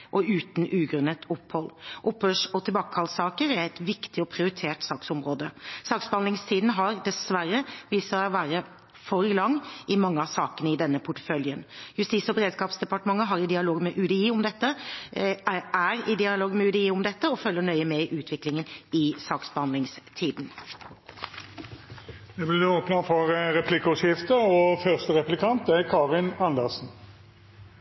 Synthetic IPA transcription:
ʔɔʉːt̪n̩ʔʉːɡɾʉnːət̪ʊpːhɔlʔʊphøːʂɔt̪ʰɪlbɑːkəhɑlsɑːkəɾæɾɛɪt̪ʋɪkt̪ɪɔpʰɾɪʊɾɪt̪ʰeːʈsɑːksʊmɾoːd̪əsɑːksbəɑnd̪lɪŋst̪ʰiːd̪n̩ɦɑɾd̪ɛsʋæɾːəʋiːsəɾʋæːɾə | fɔɾlɑŋːɪmɑŋːəɑsɑːkənəɪd̪ɛnːəpʰʊʈə̥fœljənjʉst̪iːsɔbəɾeːd̪skɑːpsd̪ɛpɑʈəmɑŋːəɦɑɾɪd̪ɪɑloːɡmɛʔʉd̪əiːʊmd̪ɛt̪ːə | æɾɪd̪ɪɑloːɡmɛʉd̪əiːʊmd̪ɛt̪ːəɔfœlːəɳœʏəmɛʔʉːt̪ʰʋɪklɪŋənɪsɑːksbəhɑnd̪ɪŋst̪ʰiːd̪n̩ | d̪ɛblɪd̪ɛoːpnɑfɔʁʁɛpʰlɪkːəɔsjɪft̪əɔfœʁst̪əɾɛplɪkʰɑnt̪ækʰɑːʁɪnɑnd̪əʁsn̩

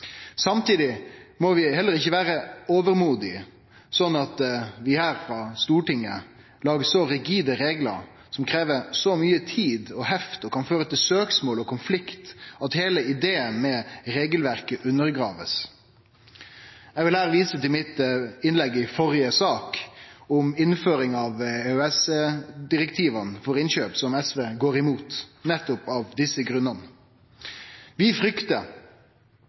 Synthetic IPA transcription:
sɑmt̪iːd̪ɪmɔʋɪhɛlːəɾɪçːəʋæːɾəoːʋəɾmuːd̪ɪ | sɔnːɑt̪ʋɪhæːɾfɾɑst̪uːʈɪŋːə | lɑːɡəsɔɾɪɡiːd̪əɾeːɡlə̰ɾ | sɔmkʰɾeːʋəɾsɔmyːət̪ʰiːd̪ɔɦɛft̪ɔkʰɑnføːɾət̪ʰɪlsøːksmoːlɔkʰʊnflɪkt̪ɑt̪heːləɪd̪eːənmɛɾeːɡəlʋæʁkəʔʉnːəɾɡɾɑːʋəs | jɛɡʋɪlhæːɾəʋiːsət̪ɪlmɪt̪ɪnlɛɡːɪfɔɾɪəsɑːkɔmɪnføːɾɪŋɑʋeɛsd̪ɪɾɛkt̪ʰiːʋənfɔɾɪnɕøːpsɔmɛsʋeːɡoːɾɪmuːt̪nɛt̪ːʊpɑʋd̪ɪsːəɡɾʉnənə | ʋɪfɾʏkt̪ə

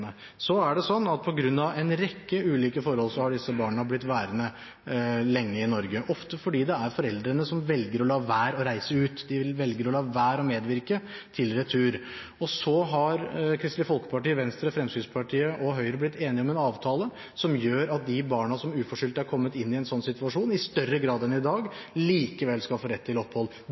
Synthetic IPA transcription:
ə | sɔæɖɛsɔnːɑt̪̚pʰɔɡɾʉnːɑʋɛnɾɛkːəʉːliːkəfɔɾhɔlsɔhɑɖɪsːəbɑːɳəblɪt̪ːʋæːɾənə | lɛŋːəɪnɔɾɡəʔɔft̪əfɔɖiːd̪ɛæɾfɔɾɛld̪ɾənəsɔmʋɛlɡəɾɔlɑːʋæːɾɔɾæɪsəʉːt̪d̪ɪɪlʋɛlɡəɾɔlɑːʋæːɾɔmeːd̪ʋɪɾkət̪ʰɪlɾɛt̪ʰːʉːɾ | ɔsɔɦɑɾkʰɾɪst̪lɪfɔlkə̥pɑʈiːʋɛnst̪ɾəfɾɛmsyːnspʰɑʈʰiːəʔɔɦœʏɾəblɪt̪ʰːeːnɪɔmɛnɑːʋt̪ʰɑːlə | sɔmjøːɾɑt̪̚d̪ɪbɑːɳɑsɔmʉːfɔʂʏːlt̪æɾkʰɔmːət̪ɪnːɪɛnsɔnːsɪt̪ʋʉɑʂuːnɪst̪œrːəɡɾɑːd̪ɛnɪd̪ɑːɡliːkəʋɛlskɑfoːɾɛt̪ʰːɪlɔpːhɔlː

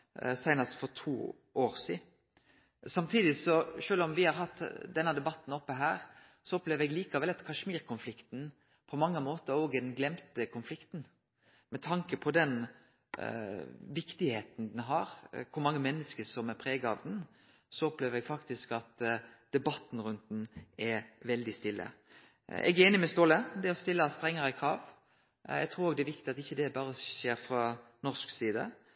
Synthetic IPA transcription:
sæɪnɑst̪fɔɾt̪ʰuː | ʔoːɾsiː | sɑmt̪ʰiːd̪ɪsɔʂøːlɔmʋɪhɑɾhɑt̪ːd̪ɛnːəd̪ɛbɑt̪ːn̩ɔpːəɦæːɾ | sɔɔpleːʋəɾɛɡliːkɑʋɛlɑt̪kʰɑʂmiːɾkʰʊnflɪkt̪n̩ | pʰɔmɑŋːəmoːt̪əɾoːɡɛd̪ɛnɡlɛmt̪əkʰʊnflɪkt̪n̩ | mɛt̪ʰɑŋkəpʰɔd̪ɛn | ʋɪkt̪ɪheːt̪n̩d̪ɛnɦɑɾkʰʊɾmɑŋːəmɛnːəskəsɔmɛɾpʰɾeːɡɑʋd̪ɛn | sɔɔpleːʋəɾɛɡfɑkt̪ɪskɑt̪d̪̥ɛbɑt̪ːn̩ɾʉnt̪̚nɛʋɛld̪ɪst̪ɪlːə̰ | ɛ̰ɡɛeːnɪmɛst̪oːləd̪ɛɔst̪ɪlːəst̪ɾɛŋːəɾəkʰɾɑːʋ | jɛ̰ɡt̪ʰɾuːɾoːɡd̪ɛʋɪkt̪ɪɑt̪ɪçːəd̪ɛbɑːɾəʃeːɾfɾɑnɔʂksiːd̪ə̰

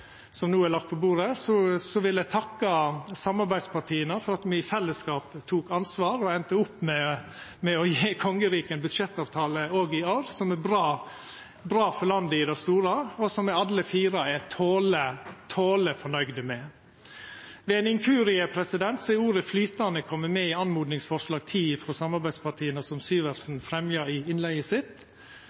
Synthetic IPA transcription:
sɔmnuːælɑk̚t̪pʰɔbuːɾəsɔsɔʋɪlæɪt̪ʰɑkːɑsɑmɑɾbæɪd̪spɑɾʈʰiːənəfɔɾɑt̪mɪfɛlːəskɑːpt̪ʰuːkɑnsʋɑːɾɔɛnt̪əʊpːmɛ | mɛɔjeːkʰɔŋːəɾiːkəɛnbʉd̪ʂɛt̪ːɑːʋt̪ʰɑːləoːɡɪoːɾsɔmɛbɾɑː | bɾɑːfɔɾɭɑnd̪əɪd̪ɑst̪uːɾɑɔsɔmːɛɑd̪ləfiːɾɑɛt̪ʰoːlət̪ʰoːləfɔɳœʏɡd̪əmɛ | ʋɛɛnɪŋkʰʉːɾɪəpʰɾɛsɪd̪ɛnt̪sɛɪuːɾəflyːt̪ɑnəkʰɔmːəmɛɪɑnmuːd̪nɪŋsfɔʂlɑːɡ̚t̪ʰiːfɾɔsɑmɑɾbæɪd̪spʰɑʈʰiːənəsɔmsyːʋəɾsn̩fɾɛmjɑɪɪnlæɪəsɪt̪

